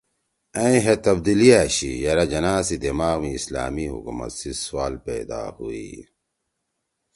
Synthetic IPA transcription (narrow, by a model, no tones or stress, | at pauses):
ɐ̃ĩɦet̪ɐb̚d̪ilijaɕḭjɐɾɐd͡ʑɐnaːsid̪imaːɣmiːsla̰ːmiɦṵkṵmɐ̰t̪siswaːlpḛːd̪a̰ːhuḭ